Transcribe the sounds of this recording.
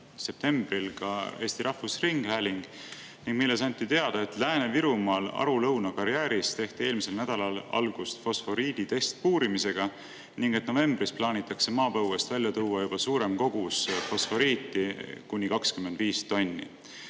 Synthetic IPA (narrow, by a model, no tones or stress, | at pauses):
se̞p̚t̪e̞mb̥rilkɑ̰e̞ːst̪iɾɑhfusriŋɡ̥hæːlʲiŋɡ̥ | niŋɡ̚milːe̞sɑnʲt̪ːit̪e̞ɑd̪̥ɑe̞t̪læːneviɾumɑːlɑ̰ɾulɤwnɑkɑɾijæːɾist̪e̞ht̪ieːlmise̞lnæd̪̥ɑlɑlɑ̰lɡ̥ust̪fo̞sfo̞ɾiːd̪̥it̪e̞st̪̚puːɾimise̞ɡ̥ɑ | niŋɡ̥et̪no̞ve̞mb̥risplɑːnʲit̪ːˑɑkse̞mɑːpɤwwest̪vælʲːjɑt̪uːwɑjub̥ɑsuːɾe̞mko̞ɡ̥usfo̞sfo̞ɾiːt̪ːˑikunʲːikɑkskymed̪viːst̪o̞nʲːḭ